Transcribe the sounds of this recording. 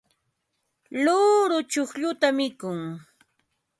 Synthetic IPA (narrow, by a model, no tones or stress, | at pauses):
lʊɾʊt͡ʃʊχʎʊt̪amɪkʊŋ